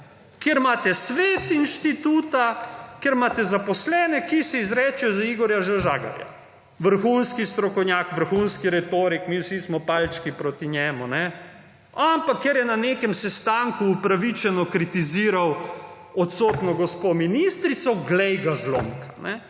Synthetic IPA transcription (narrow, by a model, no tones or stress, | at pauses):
keɾmaːt̪ɛsʋeːt̪inʃt̪it̪uːt̪akeɾmaːt̪ɛzapɔslɛːnɛkisɛizɾɛːt͡ʃɛjɔzaiɡɔɾjaʒaʒaːɡa̰ɾja̰ | ʋəɾxuːnskist̪ɾɔkɔwnʲjakʋəɾxunskiɾɛt̪oːɾikmiːwsismɔpalt͡ʃkipɾoːt̪iɲjɛːmunɛ | ampakːeɾjɛnanekɛmsɛst̪aŋkuːpɾaʋit͡ʃɛnɔkɾit̪iziːɾaw | ɔt̪soːt̪nɔɡɔspominist̪ɾit̪sɔɡlɛjɡazlo̰ŋkḁnɛ